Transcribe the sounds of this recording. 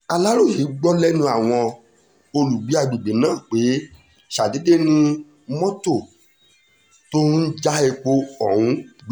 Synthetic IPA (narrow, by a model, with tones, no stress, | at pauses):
a˨la˦ɾo˦˨hi˨˦ɡ͡bɔ˦lɛ˦nũ˧a˨w̃ɔ̃˧ | o˧lu˨ɡ͡bi˨˦a˧dũ˨ɡ͡be˨˦nãː˦˨k͡pe˨˦ | ʃa˨de˨˦de˦nĩ˦ | mɔ̃˦to˦˨ | to˦n̩˦d͡ʒa˦ɛ˧k͡po˧ɔ˨hũ˧˦ɡ͡b